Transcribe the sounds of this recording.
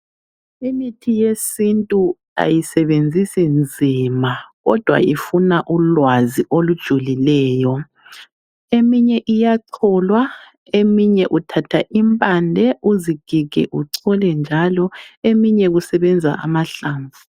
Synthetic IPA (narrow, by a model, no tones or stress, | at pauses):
imitʰijesintʼu | a̰jisɛβend͡zʱisind͡zʱiːmaɣɔ̰d̥ʱwa̰ifunaʔulwaziʔolud̥ʒ̥ʱulilɛːjɔ | emiɲɛʔijaǀʰɔlwa | emiɲɛʔutʰatʰaʔimpʼandʱɛʔuziɡ̥ʱiɣ̥ʱɛ̰ʔuǀʰɔlɛnd͡ʒʱalɔemiɲɛɣusɛβɛnd͡zʱa̰ʔa̰maɬaːɱvu